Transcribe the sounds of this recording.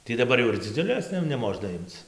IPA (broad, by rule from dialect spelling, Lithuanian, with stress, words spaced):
tʲiː dɐˈbɐr jɛʊ ɪr d͡zʲɪˈd͡zʲʊlʲeːs tɐɪ jɛʊ nʲɛˈmoːʒnɐ ˈɪmt͡s